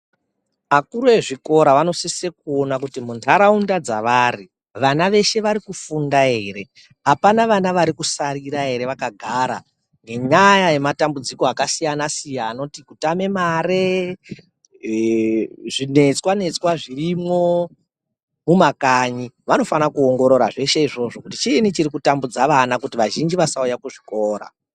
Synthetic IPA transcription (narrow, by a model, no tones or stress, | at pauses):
makuɾoeʐiko̞ɾaʋano̞sese̞k̚uo̞nakutimuntʰaɾaundad͡za̰ʋaːri | ʋanaʋe̞ʃe̞ʋaɾikufundae̞ɾe̞ | ɦapanaʋanaʋaɾikusaɾiɾae̞ɾe̞ʋakaɡʱaːɾa̰ | ŋɡe̞ɲajaje̞matambud͡zikoakasijanasijanotikutame̞maɾe | ʐine̞t͡swane̞t͡swaʐirimwo̞ | mumakaɲiʋano̞fanakuoŋɡo̞ɾo̞ɾa̰ʐe̞ʃe̞iʐo̞ʐo̞kutit͡ʃienit͡ʃiɾikutambud͡zaʋanakutiʋaʒind͡ʒiʋasaujakuʐiko̞ːɾa̰